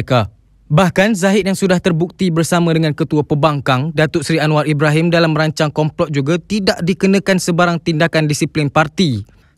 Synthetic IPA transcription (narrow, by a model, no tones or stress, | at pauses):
ka | bahkanzaɦɪt̪̚jaŋsudaht̪ərbuk̚t̪ibərsamãdəŋãnkət̪uapəbaŋkaŋdat̪ʊʔsɾianw̃aribɾaɦimdalamːəɾaɲt͡ʃaŋkɔmplɔt̪̚d͡ʒuɡat̪idaʔdikənə̃kansəbaɾaŋt̪indakandisiplinpart̪i